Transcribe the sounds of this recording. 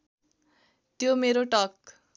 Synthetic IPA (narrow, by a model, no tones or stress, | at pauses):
t̪jomeɾoʈʌk̚